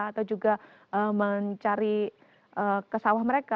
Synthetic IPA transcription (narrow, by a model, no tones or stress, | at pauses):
at̪awd͡ʒuɡa | əməɲt͡ʃaɾi | ʔəkəsawahməɾeka